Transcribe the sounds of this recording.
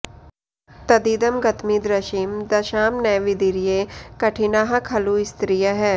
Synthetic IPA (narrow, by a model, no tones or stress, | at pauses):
t̪ɐd̪id̪ɐmɡɐt̪mid̪ɾɐʃimd̪ɐʃaːmnɛːʋid̪iɾijekɐʈʰinaːɦɐkʰɐluɪst̪ɾijəɦɛː